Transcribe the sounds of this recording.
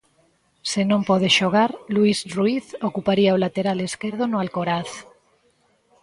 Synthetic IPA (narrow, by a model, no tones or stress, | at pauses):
senõmpoð̞eʃoɣ̞aɾluisruiθokupaɾiaolat̪eɾaleskeɾð̞onoalkoɾaθ